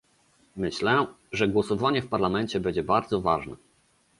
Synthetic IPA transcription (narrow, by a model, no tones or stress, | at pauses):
mɘɕlɛ | ʐɛɡwɔsɔvaɲɛfpaɾlamɛɲt͡ɕɛbɛɲd͡ʑɛbaɾd̪zɔvaʐnɛ̰